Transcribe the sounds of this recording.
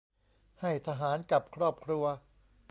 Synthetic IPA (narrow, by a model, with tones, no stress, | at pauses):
ha˥˩jt̪ʰa˧ɦaː˩˦nka˨˩p̚kʰɾɔː˥˩p̚kʰɾu˧ɐ